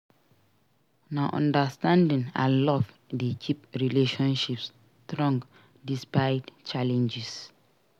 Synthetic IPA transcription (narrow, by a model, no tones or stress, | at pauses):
naʔɔ̰̃ndastãndĩnã̰lɔv | dikʰipɹileʃɔ̃nʃips | tɹɔ̃ŋɡ | dispaɪdt͡ʃalɛ̃nd͡ʒis